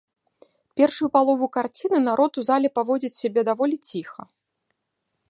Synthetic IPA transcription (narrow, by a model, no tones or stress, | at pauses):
pʲɛrʂujupalˠɔvukart͡sʲinɨnaɾʔɔt̪uzalʲɛpavɔd͡zʲit͡sʲsʲabʲɛd̪avɔlʲit͡sʲixɐ̰